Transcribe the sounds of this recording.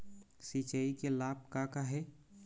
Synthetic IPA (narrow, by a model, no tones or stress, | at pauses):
sit͡ʃaikelaːb̚kakaɦɛː